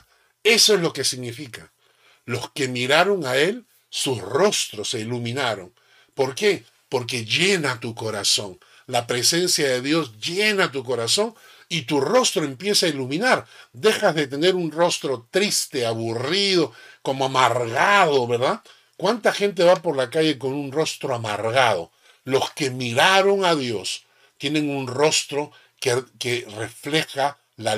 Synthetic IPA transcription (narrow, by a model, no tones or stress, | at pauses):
e̞soezlo̞ke̞siɣnifika | lo̞ske̞miɾaɾo̞ŋae̞l | susro̞st̪ɾo̞se̞ilumĩnaɾo̞̰ŋ | po̞ɾke̞ | po̞ɾke̞ʝe̞nat̪uko̞ɾaso̞ŋ | lapɾe̞se̞nsjaðe̞ðjo̞sʝenat̪̬uk̬o̞ɾaso̞ŋ | it̪uro̞st̪ɾoempje̞sailumĩnaɾd̪e̞xazðe̞t̪e̞ne̞ɾunro̞st̪ɾo̞t̪ɾist̪e̞aβurið̞o̞ko̞moamaɾɣaðo̞βe̞ɾða | kwant̪axe̞nt̪̬e̞βapo̞ɾlakaʝe̞ko̞nunro̞st̪ɾoama̰ɾɣað̞o̞̰ | lo̞ske̞miɾaɾo̞ŋaðjo̞s | t̪je̞ne̞ŋunro̞st̪ɾo̞ | kekerefle̞xa | la